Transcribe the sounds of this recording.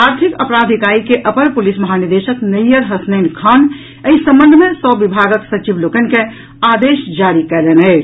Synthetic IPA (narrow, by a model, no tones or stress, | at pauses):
aːɾt̪ʰikəpɾaːd̪ʱikaːɾikeʔəpəɾpʊlismɐɦaːnɪɾd̪eːʃəknəjəɾɦɐsnəɪnkʰaːn | əisə̃mbə̃nd̪ʱmẽsɔːʋibʱaːɡəksɐt͡ʃiʋloːkənke | aːd̪eːʃd͡ʒaːɾikɛlenɦɛː